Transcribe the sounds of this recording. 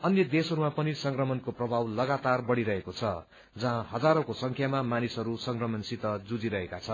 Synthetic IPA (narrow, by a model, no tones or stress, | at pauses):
ʌnjʌd̪esʌɾumapʌnisʌŋkrʌmʌnkoprʌbʱawlʌɡat̪arbʌɽiɾʌɦekot͡sʰʌ | d͡zʌɦãɦʌd͡zaɾõkosʌŋkʰjamamanisɦʌɾusʌŋkrʌmʌnsit̪ʌd͡zud͡ziɾʌɦekat͡sʰʌ